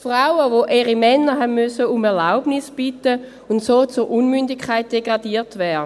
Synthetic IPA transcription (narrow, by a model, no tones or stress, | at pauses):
fʁaʊəʋoʔeːʁimɛnːəɦɛnmysəumɛɐlaʊbnisb̥itə | untsoːt͡suɾʔunmyndɪkʰaɪt̚d̥eɡʁɑdiːtvɛdə